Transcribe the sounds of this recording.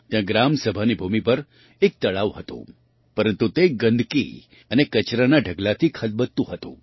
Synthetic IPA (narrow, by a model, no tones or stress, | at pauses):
t̪jãɡɾamsəbʱanibʱumipəɾ | ek̚t̪əɭaʋɦət̪ṵ̃ | pəɾənt̪ut̪eɡə̃nd̪ʱkḭ | ənekət͡ʃɾanaɖʱəɡlat̪ʰikʰət̪̚bət̪ːũɦət̪ṵ̃